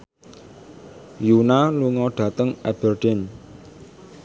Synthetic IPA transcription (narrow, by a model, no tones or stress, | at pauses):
junaluŋɔɖ̥ä̤t̪əŋɛb̥ərɖ̥ɛn